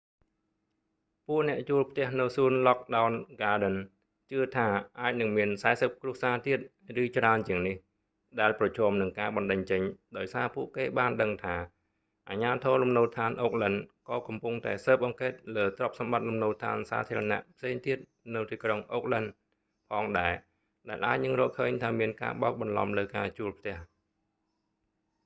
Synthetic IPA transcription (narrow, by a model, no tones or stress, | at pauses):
puəʔnɛ̆əʔt͡ɕuəlpʰt̪ɛ̆əhnɨwsuənlɑk̚ɗaʊnɡaːɗən | t͡ɕɨət̪ʰaːʔaːc̚nɨŋmiənsaɛsəp̚kruəsaːt̪iət̪̚ | rɨːt͡ɕraənt͡ɕiəŋnih | ɗaɛlprɑt͡ɕʰɔːəmnɨŋkaːɓɑnɗɨɲt͡ɕəɲɗaɔjsaːpuəʔkeːɓaːnɗəŋt̪ʰaː | ʔaːɲaːt̪ʰɔːlumnoːt̪ʰaːnʔoːk̚lənkɑːkɑmpuŋt̪aɛsəːp̚ʔɑŋkeːt̪̚ləːt̪rɑp̚sɑmɓat̪̚lumnoːlt̪ʰa̰ːnsa̰ːt̪ʰiəɾɑna̰ʔpʰseːŋt̪iət̪̚ | nɨwt̪iːkroŋʔoːk̚lən | pʰɑːŋɗaɛ | ɗaɛlʔa̰ːc̚nɨŋrɔːlkʰəːɲt̪ʰaːmiənka̰ːɓa̰ɔk̚ɓɑnlɑ̰mləːkaːt͡ɕuəlpʰt̪ɛ̆əh